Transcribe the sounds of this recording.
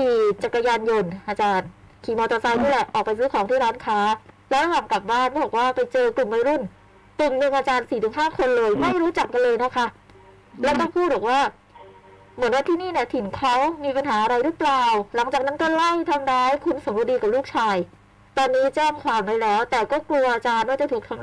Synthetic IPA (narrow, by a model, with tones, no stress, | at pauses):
iː˧˩t͡ɕa˨˩ka˧jaː˧njo˧nʔaː˧t͡ɕaː˧n | kʰiː˧˩mɔː˧t̪ɔː˧sa˧jniː˥˩lɛ˨˩ʔʔɔː˨˩kpa˧js̬ɯː˦˥kʰɔː˩˦t̪ʰiː˥˩ɾaː˦˥nkʰaː˦˥lɛ˦˥wɾa˧waː˨˩ŋkla˨˩p̚baː˥˩nbɔ˨˩ɔː˨˩k̚waː˥˩pa˧jt͡ɕɤː˧klu˨˩mːa˧jɾu˥˩n | klu˨˩mnɯ˨˧˩ŋʔaː˧t͡ɕaː˧nsiː˨˩t̪ʰɯ˩˦ŋɦaː˥˩kʰo˧nlɤː˧jma˥˩jɾuː˦˥t͡ɕa˨˩kːa˧nlɤː˧jna˦˥kʰa˦˥ | lɛ˦˥wkɔː˥˩pʰuː˥˩t̪̚bɔː˨˩k̚waː˥˩ | mɯ˩˦ənwaː˥˩t̪ʰiː˥˩niː˥˩ni˥˩ɐt̪ʰi˨˩˦nkʰa˦˥wmiː˧pa˧nɦaː˩˦ʔa˧ɾa˧jɾɯ˦˥plaː˨˩wla˩˦ŋt͡ɕaː˨˩kna˦˥nt̪o˧˥˩la˥˩jt̪ʰa˧mɾaː˦˥jkʰu˧nso˩˦mka˧˩diː˧ka˨˩luː˥˩k̚t͡ɕʰaː˧j | t̪ɔː˧nːiː˦˥t͡ɕɛː˥˩ŋkʰwaː˨˩mɾaː˥˧˩jlɛː˦˥wt̪ɛː˨˩kɔː˥˩klu˧ɐʔaː˧t͡ɕaː˧nwa˥˩t͡ɕa˨˩t̪ʰuː˨˩k̚t̪ʰa˧m˦